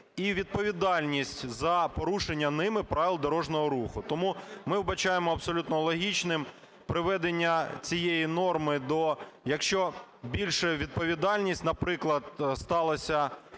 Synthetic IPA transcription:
iʋʲid̪̚pɔʋʲid̪ɑlʲnʲisʲtʲzɐpɔɾuʃenʲːɐnɪmɪpɾɑʋʲilˠd̪ɔɾɔʒnɔɦɔɾuxʊt̪ɔmumɪwbɐt͡ʃɑjemɔɐbsɔlʲut̪nɔlˠɔɦʲit͡ʃnɪm | pɾɪʋɛd̪enʲːɐt͡sʲijejinɔrmɪd̪ɔjɐkʃt͡ʃɔbʲilʲʃɛʋʲid̪̚pɔʋʲid̪ɑlʲnʲisʲtʲnɐpɾɪklˠɐd̪̚st̪ɑlˠɐsʲɐ

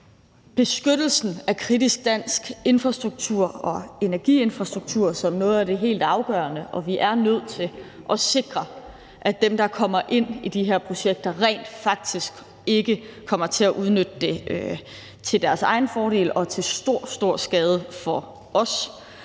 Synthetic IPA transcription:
b̥e̝sɡ̥ød̥l̩sn̩ækʰʁidisɡ̥̚d̥æn̰sɡ̥e̝nfʁɑ̈sd̥ʁuɡ̥̚t͡sʰuɐ̰ɒ̽e̝næɐɡ̥ḭe̝nfʁɑ̈sd̥ʁuɡ̥̚t͡sʰuɐ̰sɒ̽mnɔ̽ːð̩ˠæɾ̥e̝ɦe̝̰ːld̥ɑ̈ʊɡ̥ɶ̰ːɐnəʔɒ̽ʋiʔæɐnøð̞̰ˠt͡sʰe̝l | ʔɒ̽se̝ɡ̥ʁɐ | ʔæd̥emd̥ɑ̈kʰɒ̽m̰ɐʔe̝n̰id̥iɦeɐ̰pʰʁo̝ɕeɡ̥̚d̥ɐʁɛ̰ɪ̰ːnd̥fɑ̈ɡ̥̚d̥isɡ̥ | e̝ɡ̥əkʰɒ̽m̰ɐt͡sʰe̝læʔuð̞ˠnød̥ːe̝ | t͡sʰe̝ld̥æɐsɑ̈ɪn̩fɒːɾe̝̰ːlɒ̽t͡sʰe̝sd̥o̝ɐ̰sd̥o̝ɐ̰sɡ̥ɛːð̞ˠəfɒ | ɒ̽s

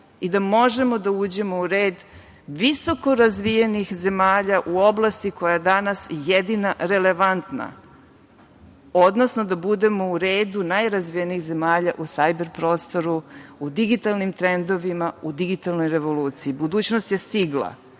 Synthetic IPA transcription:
id̪amo̞ʒe̞mo̞d̪auːd͡ʑe̞mouɾeːd̪ | ʋiso̞ko̞ɾazʋijenixze̞maːʎaʔuo̞blˠast̪iko̞jajed̪anasjed̪inaɾe̞le̞ʋant̪na̰ | o̞d̪no̞sno̞d̪abud̪e̞mo̞uɾeːd̪unajɾazʋijeniːxze̞maːʎaʔusajbe̞ɾpɾo̞ːst̪o̞ɾuud̪iɡit̪alnimt̪ɾend̪o̞ʋimaud̪iɡit̪alˠno̞jɾe̞ʋo̞luːt̪siibud̪uːt͡ɕnost̪je̞st̪iɡlˠa̰

